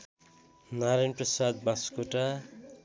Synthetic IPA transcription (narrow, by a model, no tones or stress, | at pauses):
naɾajnprʌsad̪̚baskoʈa